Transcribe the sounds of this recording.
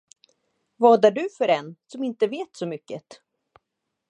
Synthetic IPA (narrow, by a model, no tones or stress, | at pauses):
vɑːd̪aɖɵfœɾɛnsɔmɪnt̪əveːt̪sɔmʏkːət̪